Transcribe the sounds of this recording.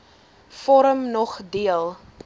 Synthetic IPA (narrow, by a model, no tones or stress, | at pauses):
fɔɾəmnɔχdiəlˠ